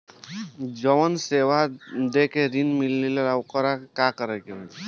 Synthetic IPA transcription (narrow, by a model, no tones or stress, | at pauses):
d͡ʒɔwɔnsewad̪ekeɾinmilːileɾawkɔɾakakʌɾekeb